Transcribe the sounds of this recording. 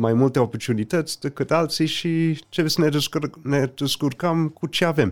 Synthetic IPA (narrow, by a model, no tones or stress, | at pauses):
majmult̪e̞o̞port̪unit̪ət̪sʲd̪ekɨt̪alt̪siʃit͡ʃevesənene̞d̪̥eskurkəmkut͡ʃe̞ave̞m